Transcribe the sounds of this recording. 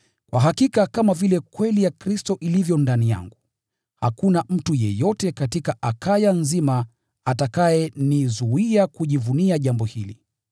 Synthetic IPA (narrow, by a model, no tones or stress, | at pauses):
kwʔaɦakikakamavilɛkwɛlijakɾistɔʔilivjɔndanija̰ŋɡu | ha̰kunam̩tujɛ̰jɔtɛkatikaʔakajanzima | atakajɛnizuiakuʄivuniaʄambɔhili